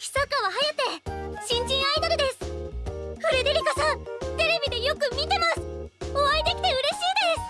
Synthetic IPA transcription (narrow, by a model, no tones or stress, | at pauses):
çʲi̥sakaβaɦajat̪e̞ɕĩɲ̟d͡ʑĩɰ̃aid̪aɾɯd̪e̞sɨ̥ | hɯ̟ɾed̪eɾʲikasãt̪e̞ɾe̞bʲid̪e̞jo̞kɯ̟mʲit̪e̞masɨ̥oβaid̪e̞kʲi̥t̪e̞ɯ̟ɾe̞ɕiːd̪e̞sɨ̥